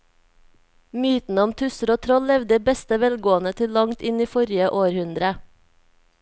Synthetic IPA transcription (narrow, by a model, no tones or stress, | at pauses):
myːt̪n̩əɔmt̪ʰʉsəɾoːt̪ʰɾɔllɛʋd̪əbɛst̪əʋɛlɡoːənət̪ʰɪllɑŋt̪ɪniːfɔɾjəʔoːɾhʉnd̪ɾə